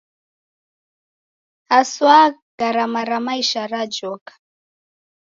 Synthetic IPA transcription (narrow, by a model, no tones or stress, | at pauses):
aswa | ɡ̥aɾamaɾamaiʃaɾad͡ʒɔkḁ